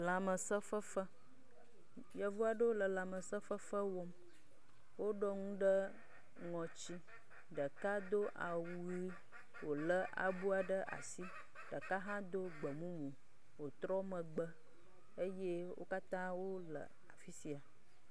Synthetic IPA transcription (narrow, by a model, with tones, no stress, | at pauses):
la˨mə˨sə˦fə˦fə˦ | jɛ˨vu˦a˨ɖə˦o˦lə˨la˨mə˨sə˦fə˦fə˦wɔ˦m | wo˦ɖɔ˦ŋũ˦ɖə˦ | ŋɔ̃˨t͡ɕi˦ | ɖə˨ka˦d̪o˦ʔa̰˨wuu˨˦ɾi˦ | wo˨lə˦ʔa̰˨bu˦a˨ɖə˦ʔa̰˨si˦ | ɖ̥ə˨ka˦ɦã˦d̪o˦ɡ͡bə˨mũ˦mũ˨ | wo˨t̪ɾɔ˦mə̃˨ɡ͡bə˦ | e˦je˦wo̰˦ka˦t̪ã˦wo˦lə̰˨ | a˨fi˦si˨a˨